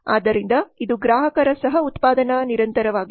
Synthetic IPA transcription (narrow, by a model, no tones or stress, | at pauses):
aːd̪ːɐɾind̪ɐid̪uɡɾaːɦɐkɐɾɐsɐɦɐut̪paːd̪ɐnɐniɾɐnt̪ɐɾɐʋaːɡi